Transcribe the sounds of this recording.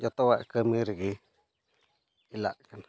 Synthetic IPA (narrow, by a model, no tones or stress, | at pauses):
jot̪owaʔkəmiɾiɡi | ila̰ʔkan